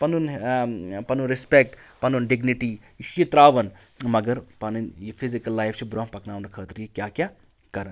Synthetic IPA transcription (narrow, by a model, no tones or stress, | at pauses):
pɐnun | pɐnunɾɪspek̚ʈpɐnunɖɪɡniʈijit̪ɾaːʋɐn | mɐɡəɾpɐninjipʰizikɐlːajfʰt͡ʃʰibɾõːmpɐknaːunɐkʰəːt̪ɾjikjaːkʲjaː | kɐɾən